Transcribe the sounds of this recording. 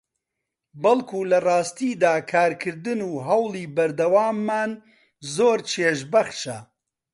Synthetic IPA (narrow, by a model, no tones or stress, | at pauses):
bɐlˠkʰuːlɐrɑːst̪iːd̪aːkʰaːɾkʰɨɾd̪ɨnuːɦɐwliːbɐɾd̪ɐwaːmːaːn | zoːɾt͡ʃʰeːʃbɐχʃɐ